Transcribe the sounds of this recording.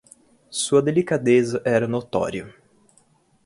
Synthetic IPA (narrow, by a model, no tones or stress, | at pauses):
suɐd̪elikad̪ezɐʔɛɾɐnot̪ɔ̰ɾiʊ